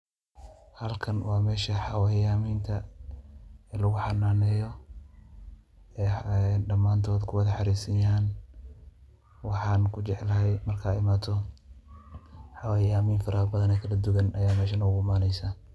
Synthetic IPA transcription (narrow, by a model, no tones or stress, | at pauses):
hɐlkʰɐnwɑːmɛːʃɐħɑwajaːmiːnt̪ʰɐ | ɛlɐɣʊħɑnaːnɛːjɔ | ɛɖɐmːaːnt̪ʰɔːd̪kʰʊwɐðɐħɑɾiːsɪjaːn | wɑħɑːnkʰʊt͡ʃɛʕlɐɦɛjmɐrkʰɐːɪmaːt̪ʰɔ | ħɑwaːjaːmiːnfɾaːɣbɐðɐnɛːkʰɐlɐd̪ʊɣɐnɐjaːmɛːʃɐnɐʊɡʊmaːnɛjsaː